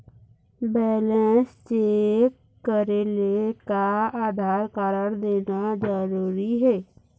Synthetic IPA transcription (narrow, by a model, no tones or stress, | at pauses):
bɛːlẽːst͡ʃeːk | kəɾelekaaːd̪ʱaːɾkaːɾəɾd̪eːnad͡ʒəɾuːɾiɦɛː